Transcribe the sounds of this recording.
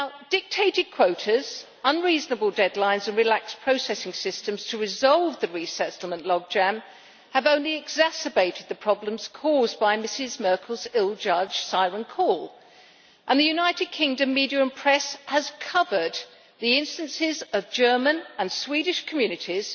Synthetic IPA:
naʊd̥ɪk̚tʰeɪɾɨd̚kʰw̥oʊɾɨz̥ | ʌ̃nɹiznəbəl̩ˠdɛdˡlãɪ̃nzɨ̃nɹɨlækspʰɹ̥oʊsɛsɪ̃ŋsɪstɨ̃mz̥tʰəɹɨzɑlˠvðɨɹisɛtl̩ˠmə̃nʔlɔɡ̚d͡ʒæ̃m | ɨvõʊ̃nliɨɡzæsɨbeɪɾɨd̪̚ðɨpʰɹ̥ɑblə̃mz̥kʰɔzbaɪmɪsɪzmɜ˞kʰl̩ˠzɪlˠd͡ʒʌ̥ʒ̥saɪɹə̃nkʰɔlˠ | ʔə̃nðɨjʉnaɪɾɨd̚kʰɪ̃ŋdɨ̃mːiɾiəɹə̃npʰɹ̥ɛshəz̥kʰʌvə˞d̪̚ | ðiɪ̃nstɨ̃nsɪzʌvd͡ʒɜ˞mɨ̃nə̃nswiɾɪʃkʰəmjʉnɨɾiz̥

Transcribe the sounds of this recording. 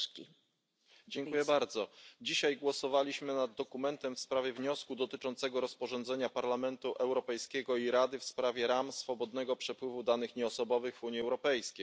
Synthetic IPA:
kʲi | d͡ʑɛŋkujɛbaɾd̪zɔd͡ʑiɕajɡwɔsɔvalʲiɕmɘnad̪ːɔkumɛnt̪ɛmfspɾavʲjɛvɲɔskud̪ɔt̪ɘt͡ʂɔnt̪sɛɡɔɾɔspɔʐɔnd̪zɛɲapaɾlamɛnt̪uʔɛwɾɔpɛjskʲɛɡɔiɾad̪ɘfspɾavʲjɛɾamsfɔbɔd̪nɛɡɔpʂɛpwɘvud̪anɘxɲɛɔsɔbɔvɘɣvuɲiɛwɾɔpɛjskʲej

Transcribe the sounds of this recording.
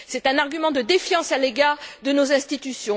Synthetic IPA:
sɛt̪ɛ̃naʁɡʲymɑ̃d̪əd̪efjɑ̃saleɡaːʁd̪ənozɛ̃st̪it̪ysjɔ̃

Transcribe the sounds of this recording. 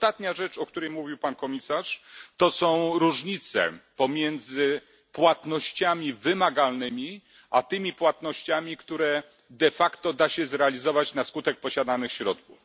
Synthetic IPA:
t̪at̪ɲaʐɛt͡ʂɔkt̪uɾɛjmuvʲiwpankɔmʲisaʂt̪ɔsɔ̃w̃ɾuʐɲit̪sɛ̰pɔmʲjɛnd̪zɘ | pwat̪nɔɕt͡ɕamʲivɘmaɡalnɘmʲi | ʔat̪ɘmʲipwat̪nɔɕt͡ɕamʲikt̪uɾɛ | d̪ɛfakt̪ɔd̪aɕɛzɾɛalʲizɔvat͡ɕnaskut̪ɛk̚pɔɕad̪anɘxɕɾɔt̪̚kuf

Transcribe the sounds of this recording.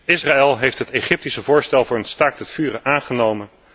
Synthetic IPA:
ɪsraːɛlˠɦejftɦətejχɪp̚tisəvʊːɹstɛlˠvʊːɹənstaɹktətfyːrəʔaːnχənowmən

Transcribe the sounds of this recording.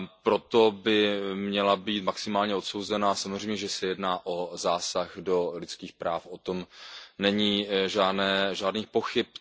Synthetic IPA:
pɾo̞t̪o̞bɪmɲɛlabiːt̪maksɪmaːlɲɛo̞t̪sowzɛnasamozr̝ejmɲɛʒɛsɛjɛdnaːʔo̞zaːsaɣdo̞lɪt͡skiːxpɾaːfʔot̪o̞mnɛɲiːʒaːdnɛːʒaːdniːpo̞xɪp̚

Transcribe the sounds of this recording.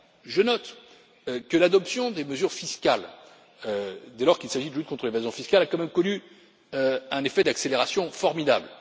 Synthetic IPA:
ʒənɔt̪ | kəlad̪ɔpsjɔ̃d̪eməzyʁfiskʲal | ød̪elɔʁkʲilsaʒid̪əlyt̪kɔ̃t̪χəlevazjɔ̃fiskʲalakɑ̃mɛmkɔny | øɛ̃nefɛd̪akseleʁasjɔ̃fɔʁmid̪abl

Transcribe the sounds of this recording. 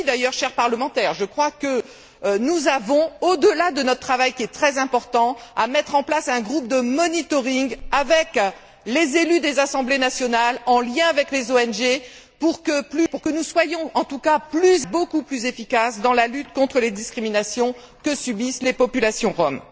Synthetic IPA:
d̪ajœʁʃɛʁpaʁləmɑ̃t̪ɛʁʒəkχwakə | nuzavɔ̃od̪əlad̪ənɔt̪χət̪χavajkʲiɛt̪χɛzɛ̃pɔʁt̪ɑ̃amɛt̪χɑ̃plasɛ̃ɡʁup̚d̪əmɔnit̪ɔʁiŋɡavɛk | lezelyd̪ezasɑ̃blenasjɔnalɑ̃ljɛ̃avɛklezoɛnʒe | puʁkəplypuʁkənuswajɔ̃ɑ̃t̪ukaplyzbokuplyzefikasd̪ɑ̃lalyt̪kɔ̃t̪χəled̪iskχiminasjɔ̃ | kəsybislepɔpylasjɔ̃ʁɔm

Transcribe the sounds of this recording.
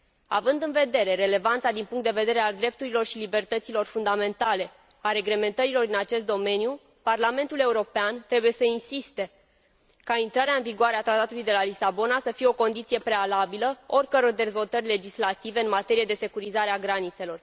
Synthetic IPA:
a̰vɨnd̪ɨnve̞d̪e̞ɾe̞ɾe̞le̞vant̪sad̪inpuŋkt̪d̪e̞ve̞d̪e̞ɾe̞ald̪ɾe̞p̚t̪uɾilo̞rʃilibe̞rt̪ət̪silo̞rfund̪ame̞nt̪ale̞ | aɾe̞ɡle̞me̞nt̪əɾilo̞rɨnat͡ʃe̞st̪d̪o̞me̞nju | parlame̞nt̪ule̞uɾo̞peant̪ɾe̞buje̞səinsist̪e̞ | kaint̪ɾaɾeaɨnviɡoaɾeat̪ɾat̪at̪ulujd̪e̞lalisabo̞nasəfijeo̞ko̞nd̪it̪sije̞pɾe̞alabiləo̞rʲkəɾo̞rd̪e̞zvo̞lt̪ərʲle̞d͡ʒislat̪ive̞ɨnmat̪e̞ɾije̞d̪e̞se̞kuɾizaɾeaɡɾanit̪se̞lo̞r

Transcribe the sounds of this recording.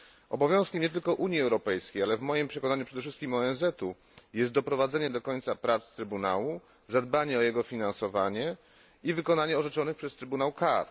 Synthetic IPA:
ɔ̰bɔvjɔ̃w̃skʲɛmɲɛt̪̬ɘlkɔʔuɲjiɛwɾɔpɛjskʲejalɛvmɔjimpʂɛkɔnaɲupʂɛd̪ɛfʂɘst̪̚kʲimɔɛnzɛt̪u | jɛst̪̚d̪ɔpɾɔvad̪zɛɲɛd̪ɔkɔɲt̪sapɾat̪st̪ɾɘbuna̰wu | zad̪baɲɛɔjɛɡɔfʲinansɔvaɲɛ | ivɘkɔnaɲɛɔʐɛt͡ʂɔnɘpʂɛst̪ɾɘbunawkaɾ

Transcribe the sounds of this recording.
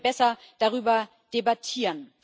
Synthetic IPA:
b̥ɛsɐ | d̥aʁyːbɐ | d̥ebatʰiːʁən

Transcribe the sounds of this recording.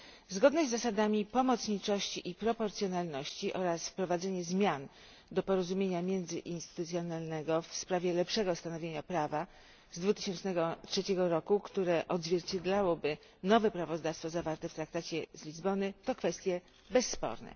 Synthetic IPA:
zɡɔd̪nɛzːasad̪amʲipɔmɔt̪sɲit͡ʂɔɕt͡ɕiʔipɾɔpɔɾt̪sjɔnalnɔɕt͡ɕiʔɔɾasfpɾɔvad̪zɛɲɛzmʲjan | d̪ɔpɔɾɔzumʲjeɲamʲjɛnd̪zɘʔinst̪ɘ̥t̪ut̪sʲjɔnalnɛɡɔfspɾavʲjɛlɛpʂɛɡɔst̪anɔvʲeɲapɾava | zd̪vut̪ɘ̥ɕɛnt͡ʂnɛɡɔtʂɛt͡ɕɛɡɔɾɔkukt̪uɾɛʔɔd̪zʲvʲjɛɾt͡ɕed̪lawɔbɘ | nɔvɛpɾavɔzd̪afst̪fɔzavaɾt̪ɛft̪ɾak̚t̪at͡ɕɛzlʲizbɔnɘt̪ɔkfɛst̪ʲjɛ | bɛsːpɔ̰ɾnɛ̰

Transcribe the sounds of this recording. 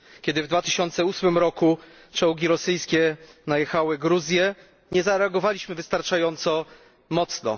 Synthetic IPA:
kʲɛd̪ɘvd̪vat̪ɘɕɔnt̪sɛusmɘmɾɔku | t͡ʂɔwɡʲiɾɔsɘjskʲɛnajɛxawɘɡɾuzʲjɛ | ɲɛzaɾɛaɡɔvalʲiɕmɘvɘst̪aɾt͡ʂajɔnt̪sɔ | mɔt̪snɔ̰

